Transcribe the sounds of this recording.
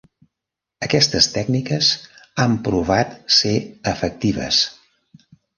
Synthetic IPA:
əkɛst̪əst̪ɛɡnikəzampɾuβat̪seəfək̚t̪iβ̞ə̰s

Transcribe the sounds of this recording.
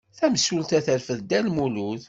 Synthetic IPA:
θæməsult̪æθəɾfəðd̪ælmuluð

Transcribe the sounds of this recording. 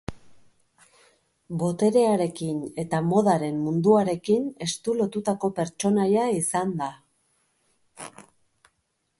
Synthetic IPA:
bo̞t̪e̞ɾe̞aɾe̞kine̞t̪amo̞ð̞aɾe̞mmund̪uaɾe̞kine̞st̪ulo̞t̪ut̪ako̞pe̞ɾt͡ʃo̞najaisand̪a

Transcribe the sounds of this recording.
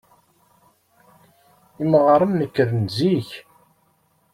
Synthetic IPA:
iməʁəɾˤəmnəkːəɾənziç

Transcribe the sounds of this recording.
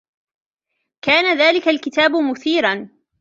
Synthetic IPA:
kaːnaðaːlɪkalkɪt̪aːbʊmʊθiːɾan

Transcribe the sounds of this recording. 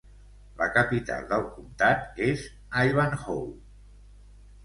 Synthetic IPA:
ləkəpit̪a̰lˠd̪əlˠkumt̪at̪ez | ajβanxowl

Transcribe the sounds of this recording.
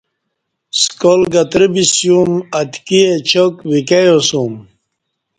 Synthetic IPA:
skolɡɐt̪ɾibisjumɐt̪kiet͡ɕʰokwikejosum

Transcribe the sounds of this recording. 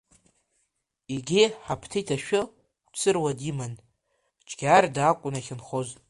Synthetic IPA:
iɡʲɪħapʰtʰijtʰaʃᶣʊ | t͡sʰɨrwadiman | t͡ʃʼɡʲardakʷʼʊnaχʲɪnχozʼ

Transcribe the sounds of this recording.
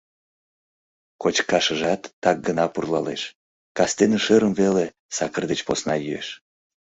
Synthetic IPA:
kot͡ɕkɑʃəʒɑt̪ːɑk̚ɡənɑpurlɑ̰leʃ | kɑst̪eneʃəɾəmvele | sɑkərd̪et͡ɕposnɑjyḛʃ

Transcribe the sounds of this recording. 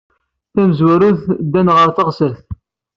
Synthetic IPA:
θæməzwæɾuθd̪ːænʁəɾθəʁsæθ

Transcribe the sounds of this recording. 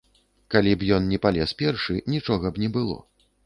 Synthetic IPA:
kalʲibjɔnnʲɛpalʲɛspʲɛrʂɨnʲit͡ʂɔɣɐbnʲɛbɨlˠɔ̰

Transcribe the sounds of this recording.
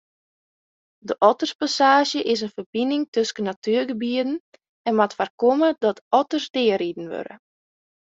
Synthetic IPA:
dəʔɔtərspasaːʒjəʔɪs̬ənfərbinɪŋtøskənatyːrɡəbiədn̩ | ɛnmatfarkomədɔtɔtərsdɪəɾidən̩ʋø̰ɾə̰

